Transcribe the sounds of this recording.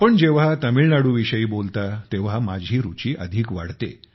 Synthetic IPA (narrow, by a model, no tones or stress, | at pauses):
pəɳd͡ʑeʋ̤at̪əmiɭnaɽuːʋiɕəiːbolt̪at̪eʋ̤amad͡ʑʱiːɾut͡ɕiːʔəd̪ʱiːkʋa̰ɽt̪ḛ